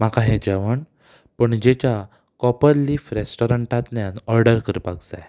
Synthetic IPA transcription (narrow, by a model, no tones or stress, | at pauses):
m̤akaɦɛ̃d͡ʑɛʋəɳ | pəɳd͡ʑet͡ɕja | kɔpəlːifɾesʈɔɾəɳʈat̪njanɔɾɖəɾkəɾpaɡd͡zaj